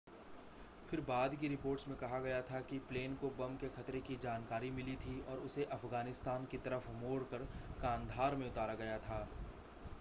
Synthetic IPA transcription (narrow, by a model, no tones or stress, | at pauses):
fʰɪɾbaːd̪kiɾɪpoːɾʈsmẽkɐɦaɡɐjat̪ʰakipleːnkobɐmkexɐt̪ɾekid͡ʒaːnkaːɾimɪlit̪ʰiɔːɾʊseʔɐfɡaːnɪst̪aːnkit̪ɐɾəfmoːɽkəɾkãːnd̪ʱaːɾmẽʊt̪aːɾaɡɐjat̪ʰaː